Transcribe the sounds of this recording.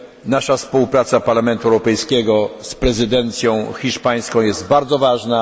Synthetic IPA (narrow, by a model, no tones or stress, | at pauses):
naʂafspuwpɾat̪sapaɾlamɛnt̪uɛwɾɔpɛjskʲɛɡɔspɾɛzɘd̪ɛnt̪sʲjɔ̃w̃xʲiʂpaj̃skɔ̃w̃jɛst̪baɾd̪zɔvaʐna